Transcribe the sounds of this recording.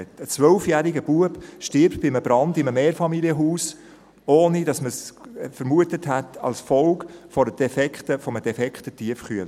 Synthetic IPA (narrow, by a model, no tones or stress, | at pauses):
tət͡sʋœlfjæːɾiɡəb̥uəb̥ʃtɪɾp̚tb̥ɪməbɾɑndɪməmeːɾfɑmiliəɦuːs | oːnidɑsməsfəɾmuətəthætɑ̰lsfɔlkfɔɾdəd̥ɛfɛkχtəfɔməd̥ɛfɛkχtətiəfχyəl